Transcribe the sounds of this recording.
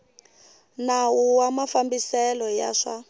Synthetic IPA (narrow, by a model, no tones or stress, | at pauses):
nawuwamafambisɛlɔja̰ʂa